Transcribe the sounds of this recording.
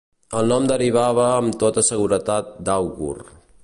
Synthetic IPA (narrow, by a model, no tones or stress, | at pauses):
əlˠnɔmd̪əriβ̞aβəːmt̪ot̪əsəɣuɾət̪at̪̚d̪awɣṵr